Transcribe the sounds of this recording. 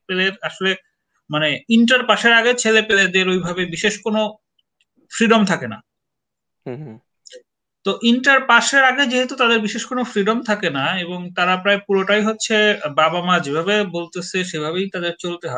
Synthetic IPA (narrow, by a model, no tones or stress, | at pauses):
peleɾaʃole | maneiɳʈaɾpaʃeɾaɡet͡ɕʰelepeled̪eɾojbʱabebiʃeʃkono | fɾiɖomt̪ʰakena̰ | t̪oʔiɳʈaɾpaʃeɾaɡed͡ʑeɦet̪ut̪ad̪eɾbiʃeʃkonofɾiɖomt̪ʰakenaeboŋt̪aɾapɾaepuɾoʈajɦotːɕʰebabamad͡ʑebʱabebolt̪esʰeʃebʱaβejt̪ad̪eɾt͡ɕolt̪eɦɔe